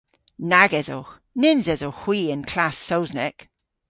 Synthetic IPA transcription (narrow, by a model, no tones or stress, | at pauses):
naɡɛzo | nɪnzɛzohw̥iːə̃nkʰl̥asːowznɛk